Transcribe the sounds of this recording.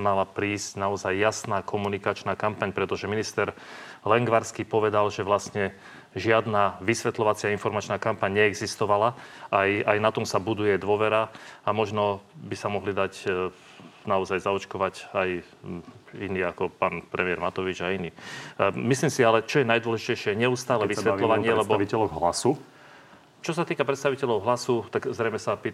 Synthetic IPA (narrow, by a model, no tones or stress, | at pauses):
malapɾiːscnaɔzajːasnaːkʰɔmunikat͡ʃnaːkampaɲpɾɛt̪ɔʒɛminist̪ɛɾlɛŋɡʋaɾskipɔʋɛd̪alʒɛʋlastɲɛ | ʒɪad̪naːʋisʋɛt̪lɔʋat͡sɪainfɔɾmat͡ʃnaːkampaɲɲɛɛɡzist̪ɔʋalaajajnat̪ɔmsabud̪ujɛd̪ʋɔʋɛɾaamɔʒnɔbisamɔɦlid̪aɟ | naɔzajzaɔt͡ʃkɔʋacaj | iniːakɔpaːnpɾɛmɪɛɾmat̪ɔʋid͡ʒainiːmisliːmsialɛt͡ʃɔjɛnajd̪ʊɔlɛʒicɛjʃɪɛɲɛust̪aːlɛʋisʋɛt̪lɔʋaɲɪɛlɛbɔiɛlɔɦla̰su | t͡ʃɔsat̪iːkapɾɛt̪st̪aʋicɛʎɔʊɦlasut̪aɡzɾɛjmɛsapiː